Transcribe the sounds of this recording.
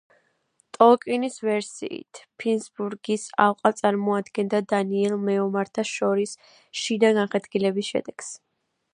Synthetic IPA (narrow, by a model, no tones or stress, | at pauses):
t̪ʼɔkʼinisvɛɾsḭḭt̪ʰpʰinsbuɾɡisalqʼat̪sʼaɾmɔad̪ɡɛnd̪ad̪aniɛlˠmɛɔmaɾt̪ʰaʃɔɾis | ʃid̪aɡaχɛd̪ɡilɛbisʃɛ̰d̪ɛɡ̥s